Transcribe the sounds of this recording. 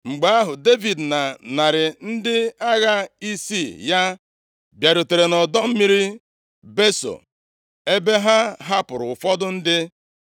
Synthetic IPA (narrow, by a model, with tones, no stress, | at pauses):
ŋ͡m̩˨ɡ͡ba˨a˦ɦʊ˨de˦vi˨dna˨na˨ɾɪ˨n̩˦dɪ˦a˦ɣa˦i˦si˦˨ja˦ | bja˨ɾo˨te˨ɾe˨nɔ˨dɔ˦m̩˦mi˦ɾi˦ | be˦so̰˨ | e˦be˦ɦa˦ɦa˦pʊ˨ɾʊ˨fɔ˦dʊ˦n̩˦dɪ˦